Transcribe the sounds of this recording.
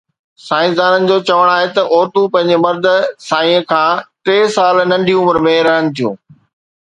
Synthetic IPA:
saːɪ̃sd̪aːnənɪ̆d͡ʑoːt͡ɕɐʋəɽ̃aːɦet̪ɐʔoːt̪upɐ̃ɦɪ̃ɲd͡ʑemɐɾd̪ʱə̆saːĩə̃kʰãːʈeːsaːlnɐ̃ɳɖʱiʊməɾmẽɾɐɦəɽ̃ɪ̆t̪ʰijṵ̃ː

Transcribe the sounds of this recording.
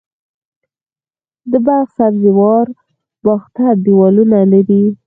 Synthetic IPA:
d̪əbaɣsabzɪwɑɾ | b̥ɑxt̪ad̪iwɑlunalaɾi

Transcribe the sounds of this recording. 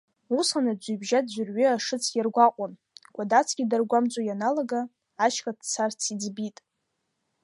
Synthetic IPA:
usanad͡ʒʷubʒad̚d͡ʒʷʏrɥʏaʂɨt͡sʰjarɡʷaqʷʼan | kʷʼadat͡sʰɡ̥ʲidarɡʷamt͡sʷʼojanalaɡaː | t͡ʃʰkʼadt͡sʰart͡sʰid͡zbitʼ

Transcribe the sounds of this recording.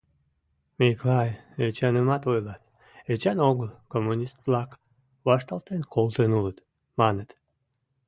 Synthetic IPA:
meklɑjet͡ɕɑnəmɑt̪ojlɑt̪ | et͡ɕɑnoɣəlkomːunʲist̪̚βlɑk | βɑʃt̪ɑlt̪enkʰolˠt̪enulət̪ | mɑnət̪

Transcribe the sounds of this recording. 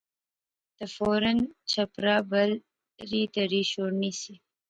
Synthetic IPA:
d̪̥əfoɾənt͡ʃapɾɑbəl | ɾit̪aɾiʃoɾnisi

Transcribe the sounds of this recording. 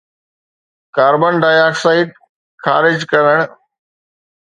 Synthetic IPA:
kaːɾbənɖaːjaːksaːɪʈ̚ | kʰa̰ːɾɪd͡ʑkɐɾəɽ̃

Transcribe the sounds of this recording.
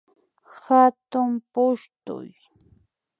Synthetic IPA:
hat̪ʊmpʊʃt̪ʊ̰j

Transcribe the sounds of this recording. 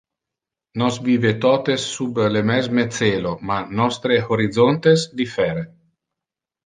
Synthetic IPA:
nɔsviːvet̪ɔːt̪esːublemɛzmet̪t͡s̪eːlomanɔst̪ɾeoɾid̪zont̪esd̪ifɛːɾe

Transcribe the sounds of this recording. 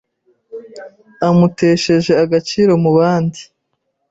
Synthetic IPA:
amuteːʃe̞ʒe̞aɡat͡ʃiːɾo̞muβaːndi

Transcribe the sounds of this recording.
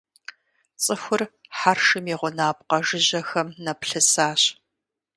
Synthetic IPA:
t͡sʼɨxʷʊrħarʃɨmiːʁʷʊnaːp̚qɐʒɪʑɐxɐmnɐpɬɨsaːɕ

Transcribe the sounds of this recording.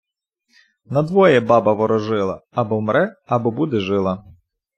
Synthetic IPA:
nɐd̪ʋɔjɛbɑbɐʋɔɾɔʒɪlˠɐ̰ːbɔmɾʔɛɐbɔbud̪ɛʒɪlˠɐ

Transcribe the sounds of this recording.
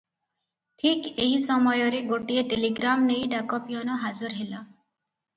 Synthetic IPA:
ʈʰikeɦisɔmɔjɔɾeɡoʈieʈeliɡɾamnejɖakɔpijɔnɔɦazuɾɦelɔ

